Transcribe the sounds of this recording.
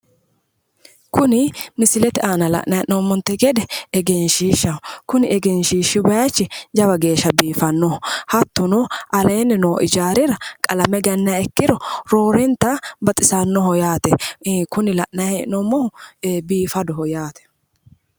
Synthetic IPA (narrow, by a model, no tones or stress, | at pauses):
kʊnɪmɪsɪlɛt̪ɛʔaːnɐlɐ̰ʔnɐɛʔnomːɔnt̪ːɛɡɛd̪ɛɛɡɛnʃiːʃːɐkʊnɪɛɡɛnʃiːʃːɪbɐjat͡ʃːɪd͡ʒɐbɐɡe̞ːʃːɐbiːfɐnːɔʊhɐt̪ːʊnɔʔɐleːnːɛnoːʔɪ̰d͡ʒaːɾɪɾɐkʼɐlɐmɛɡɐnːaɛkːɪɾɔɾoːɾɛnt̪ːabɐt̪ʼɪsanːɔɦɔjaːt̪ɛkʊnɪlɐʔnɐɛʔnomːɔhʊbiːfɐd̪ɔɦɔjaːt̪ɛ̥